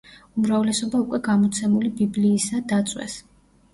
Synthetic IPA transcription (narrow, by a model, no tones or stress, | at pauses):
umɾavlɛsɔbaukʼwɛɡamɔt̪sʰɛmulibibliːsad̪at̪sʼwɛ̰s